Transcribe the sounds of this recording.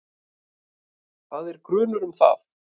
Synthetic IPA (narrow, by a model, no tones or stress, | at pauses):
θaðɛɾkɾʏːnʏɾʏmθa̰θ